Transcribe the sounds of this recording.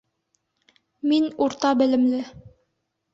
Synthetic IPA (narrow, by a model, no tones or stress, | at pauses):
minuɾt̪ɑbɘ̆lɘ̆mlɘ